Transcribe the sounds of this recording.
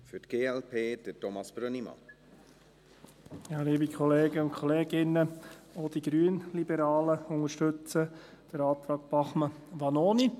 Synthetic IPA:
fytɡ̥eːɛlpʰeːd̥ətɔmɑsb̥ɾɔnimɑ̰ | jɑliːbikʰɔleːɡ̥əʊntkʰɔleːɡɪnːəod̥̪iɡɾyənlibəɾɑːləʊŋəɾʃtɵt͡sə | d̥əɾɑːt̪ɾɑːkb̥ɑχməʋɑnoːni

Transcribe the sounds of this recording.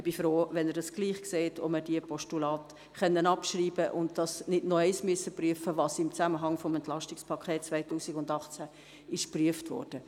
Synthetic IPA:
ɪb̥ifɾoːʋɛnəɾdɑsɡ̥liːχkseːtʰɔ̰mədiəpɔʃtulɑːt | χœnːənɑpʃriːbəʔʊntdɑsnɪdnɔɛɪsmyəsəpryəfəʋɑːsɪmt͡sæməɦɑŋfɔmɛntlɑʃtɪkspʰɑkʰeːt̚t͡sʋæɪtuːsɪɡʊndɑχt͡sæ | ɪʃpryəftʋɔ̰ːrd̥ə

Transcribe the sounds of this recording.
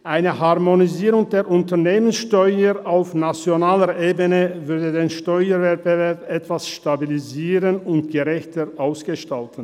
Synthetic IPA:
ʔaɪnəɦaʁmoniziːʁʊŋdeːɐʔʊntɐʁneːmənsʃtɔʏəʁaʊfnat͡sjonaːləʔeːbənəvʏɐdədeːnʃtɔʏəvɛɐt̚bəvɛɐpʔɛtv̥asʃtabiliziːʁənʊntɡ̥əʁɛçtəʁʔaʊsɡ̥əʃtaltn̩

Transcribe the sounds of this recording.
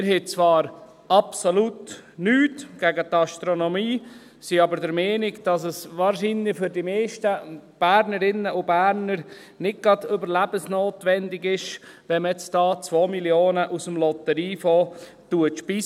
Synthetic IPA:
ɪɾɦet͡sʋɑːɾ | ɑpsolutnyːtɡ̥æɡət̪ɑʃtɾonomiː | siɑbəɾdəɾmeːnɪɡd̥ɑsəsʋɑːɾʃinlɪfʏɾdimeːʃtəb̥æːɾnəɾɪnːəʔʊbæːɾnəɾ | nɪd̚ɡ̥ɾɑdʏbəɾlæb̥əsnoːt̪ʋɛndɪɡɪʃ | ʋɛnmjɛt͡sd̥ɑːt͡sʋoːmiljoːnəʔusəmlɔt̪əɾiːfoː | tuətʃpi

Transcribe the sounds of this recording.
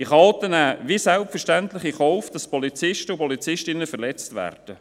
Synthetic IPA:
ɪχɑlt̪ənæːvisɛlpfəɾʃtæntlɪχiχɔʊfd̥ɑspɔlit͡sɪʃtəupɔlit͡sɪʃtɪnːəfəɾlɛt͡stʋæ̰ːrd̥ə

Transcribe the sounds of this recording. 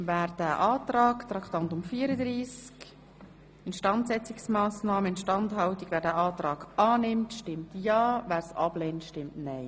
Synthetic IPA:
væːɾd̥æːʔɑːt̪ɾɑːkt̪ɾɑkt̪ɑnt̪ʊmfiːəɾəd̪ɾiːsk | ɪnʃtɑntsɛt͡siksmɑːsnɑːməɪnʃtɑntɦɑwtikʋæːɾdæːʔɑːt̪ɾɑːɡʔɑːnɪmtʃtɪmtjɑːvæːɾsɑ̰b̥lɛːntʃtɪmtnɛɪ

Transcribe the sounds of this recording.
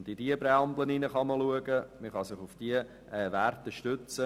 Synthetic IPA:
ndidiəbɾɛɑmbləninəχɑməluəɡəməχɑsɪχʊfd̥iə | ɛːʋærtəʃtʏt͡sə

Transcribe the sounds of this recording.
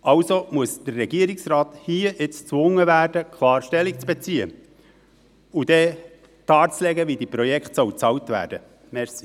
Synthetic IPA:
ʔɑwsomuəsd̥ərːɛɡiːəɾɪksrɑːthiːəʔɪt͡st͡sʋʊŋːəvæːɾd̥əkʰlɑːɾʃtɛlikt͡sb̥et͡siːə | ud̥ɛ | d̥ɑːt͡slɛɡəʋidipɾɔjɛkχtsɔwt͡sɑwtvæ̰ːɾd̥ə | mɛɾsi

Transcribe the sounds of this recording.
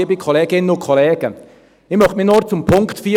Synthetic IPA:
bikʰoleːɡɪnənʊnkʰoleːɡə | ɪmœχtmɪnoːɾt͡sʊmpʰʊŋktfyː

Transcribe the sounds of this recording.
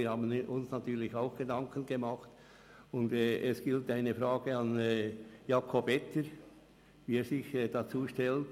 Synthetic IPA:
ɾhaːbənʊnsnɑtyːlɪçaʊxɡ̥ədɑŋkʰənɡəmɑχt | ʊndɛːʔɛsɡ̥ɪltaɪnəfɾaːɡ̥əɑnːjɑːkʰɔbɛtʰəɾ | viːɛːɾsɪçɛːd̥ɑt͡suːʃtɛlt

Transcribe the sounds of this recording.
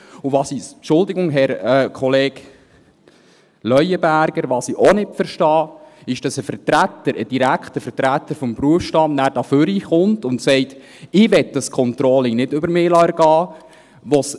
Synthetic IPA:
ʊʋɑːsipʃʊldɪɡʊŋɦɛɾəkʰɔleːk | lœjəbæɾɡ̥əɾʋɑːsiʔonɪtfəɾʃtɑːɪʃd̥ɑsəfətɾætːəɾəd̥iɾækχtəfəɾtɾætːəɾfɔmpɾuəfʃtɑmnæːɾd̥ɑføɾiχʊntʊntsɛɪt | ɪʋɛt̚dɑskʰɔntɾɔlɪŋnɪdʏbəɾmɪːlɑɛɾɡ̥ɑː | ʋos

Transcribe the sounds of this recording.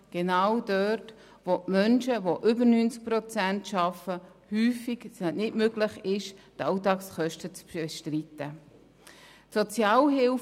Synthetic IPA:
ɡ̥enawdœt | vomœnʃəvoʔʏbəɾnynt͡sk̚pɾot͡sæntʃɑfə | hyːfiɡsɛnɪtmøɡlɪχɪʃtɑʊtɑːksχœʃtət͡sbeʃtritə | tsot͡sjɑːlɦɪl

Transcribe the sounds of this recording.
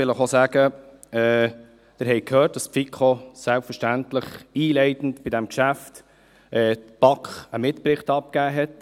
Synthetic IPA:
ɪləχosæːɡ̥ə | ɛː | d̪̥ɪɾɦɛɪkʰhøːt̚d̥ɑsfikʰχosælpfəɾʃtæntləχiːlɛɪtn̩tb̥ɪdæmkʃæft | ʔɛːtb̥ɑkχəmɪtprɪχtɑp̚kæːɦɛt

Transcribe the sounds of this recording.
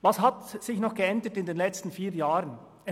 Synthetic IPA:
vɑshatsɪçnɔχɡ̥əɛndətɪndeːnlɛt͡stn̩fiːjaːʁən | ɛ

